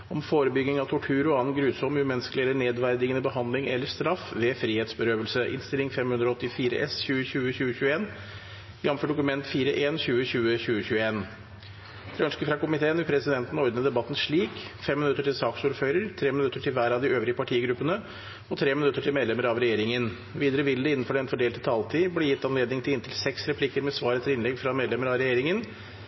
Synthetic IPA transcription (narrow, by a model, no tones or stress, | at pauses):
ɔmfoːɾəbʏɡnɪŋɑʋt̪ʰʊʈʰʉːɾɔɑːnɡɾʉːsɔmːʉːmɛnːəskəlɪɛlːəɳeːd̪ʋæɾd̪ɪɡənəbəɦɑnd̪lɪŋɛ̰lːəʂt̪ɾɑfʋɛfɾiːheːt̪sbəɾøːʋəlsəʔɪ̰nst̪ɪlːɪŋfɛmhʉnd̪ɾɔɔt̪ːɪfiːɾə̰ʔɛsɕʉːəɕʉːəɕʉːəɕʉːəeːn | jɑmfɔɖʊkʉmɛnt̪fiːɾəʔeːnɕʉːəɕʉːəɕʉːəçʉːəeːn | t̪ʰɾœnskəfɾɑkʊmɪt̪ʰeːənʋɪpʰɾɛsɪd̪ɛnt̪n̩ɔɾd̪nəd̪ɛbɑt̪ːn̩ʂɭiːkfɛmːɪnʉt̪ːəʈɪlsɑːksuːɾføːɾəɾt̪ʰɾeːmɪnʉt̪ːəʈʰɪlʋæːɾɑʋd̪ɪøːʋɾɪəpʰɑʈʰiːəɡɾʉpːənə | ɔt̪ʰɾeːmɪnʉt̪ːəʈʰɪlmeːd̪lɛməɾɑʋɾɛjeːɾɪŋən | ʋiːd̪əɾəʋɪld̪əɪnːn̩fɔɖɛnfɔɖeːlt̪ʰət̪ʰɑːlt̪ʰiːblɛjɪt̪ːɑnleːd̪nɪŋt̪ʰɪlɪnt̪ʰɪlsɛksɾɛpʰlɪkːəɾmɛsʋɑːɾət̪ʰɪlɪnlɛɡfɾɑmeːd̪lɛməɾɑʋɾɛjeːɾɪŋən